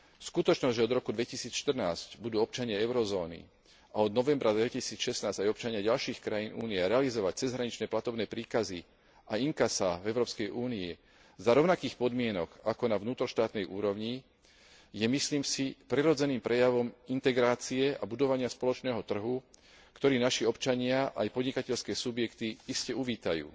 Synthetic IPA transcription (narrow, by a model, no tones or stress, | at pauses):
skut̪ɔt͡ʃnɔzɟʒɛɔd̪ɾɔkud̪ʋɛcisiːt͡sʃt̪ər̩naːzɟbud̪uːɔp̚t͡ʃaɲɪaɛʊɾɔzɔːnḭ | aɔd̪nɔʋɛmbɾad̪ʋɛcisiːt͡sʃɛsnaːzɟajɔp̚t͡ʃaɲɪaɟalʃiːxkɾajiːnuːniɛɾɛalizɔʋac̚t͡sɛzɦɾaɲit͡ʃnɛːplat̪ɔbnɛːpɾiːkazi | aiŋkasavɛʊɾɔːpskɛjʔuːniɛ | zaɾɔʊnakiːxpɔd̪mɪɛnɔɡakɔnavnuːt̪ɾɔʃt̪aːt̪nɛjʔuːɾɔʋɲi | jɛmisliːmsipɾiɾɔd͡zɛniːmpɾɛjaʋɔmint̪ɛɡɾaːt͡siɛa̰bud̪ɔʋaɲɪaspɔlɔt͡ʃnɛːɦɔt̪r̩ɦu | kt̪ɔɾiːnaʃiɔpt͡ʃaɲɪaʔajpɔd̪ɲikacɛʎskɛːsubjɛkt̪iiscɛuʋiːt̪ajṵː